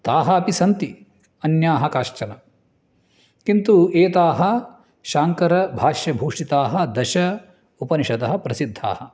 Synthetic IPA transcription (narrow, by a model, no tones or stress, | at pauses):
t̪aːɦɐːpisɐnt̪i | ɐnjaːɦɐkaːʃt͡ʃɐnɐ | kint̪ueːt̪aːɦɐ | ʃaːŋkɐɾɐbʱaːʃjɐbʱuːʂʈit̪aːɦɐ̆d̪ɐʃɐ | upɐniʃɐt̪ɐɦɐ̆pɾɐsid̪ʱːa̰ːhɐ